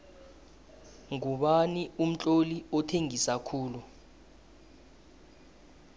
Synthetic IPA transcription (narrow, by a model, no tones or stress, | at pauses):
ŋuɓanium̩t͡ɬʼoliɔtʰeŋisakʰuːlu